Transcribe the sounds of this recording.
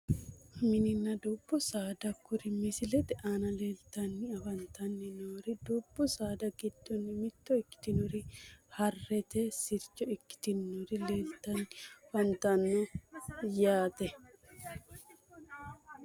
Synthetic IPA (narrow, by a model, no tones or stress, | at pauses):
mɪnɪnːɐd̪ub̥ːɔsaːd̪ɐkːʊɾɪmɪsɪlɛt̪ɛʔaːnɐle̞ːlt̪ɐnːɪɐfɐnt̪ɐnːɪnoːɾɪd̪ubːɔsaːd̪ɐɡɪd̪̥ːɔnːɪmɪt̪ːɔɪkːɪ̥t̪ɪnɔɾɪhɐrːɛt̪ɛsɪɾt͡ʃːɔɪkːɪ̥t̪ɪnːɔɾɪleːlt̪ːɐnfɐnt̪ɐnːɔjaːt̪ɛ